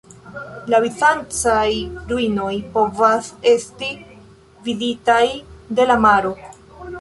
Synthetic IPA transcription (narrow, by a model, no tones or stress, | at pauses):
lavit͡sant͡sajɾuino̞jpo̞vase̞sti | viditajde̞lamaɾo̞